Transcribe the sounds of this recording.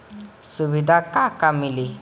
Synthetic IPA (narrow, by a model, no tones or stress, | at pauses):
suʋid̪ʱakakamili